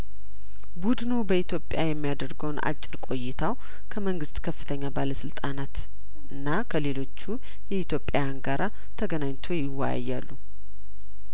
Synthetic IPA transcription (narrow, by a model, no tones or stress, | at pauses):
bud̪nubəit̪ʰjo̞pʼjajɛmːijad̪əɾɡəwna̰t͡ʃʼːɪɾkʼo̞jːɪt̪ʰaw | kʰəməŋɡɨst̪ʼkʰəfːɨt̪ʰəɲːabaləsɨlt̪ʼanat̪ | ɨnːakʰəle̞lo̞t͡ʃːu | jɛit̪ʰjo̞pʼːajanɡaɾa | t̪ʰəɡənaɲt̪ʰo̞jɪwːa̰ja̰jːalːu